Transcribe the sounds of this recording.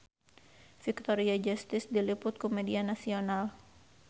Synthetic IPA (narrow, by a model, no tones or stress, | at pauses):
fik̚t̪ɔɾiad͡ʒast̪ɪsdilipʊt̪̚kɔmɛdianasional